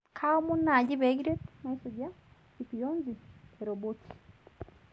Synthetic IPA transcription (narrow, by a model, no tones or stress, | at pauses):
kʰaomunːaɟiβeɡiɾetmaisoɟa | ikujoːnzieɾobotʰi̥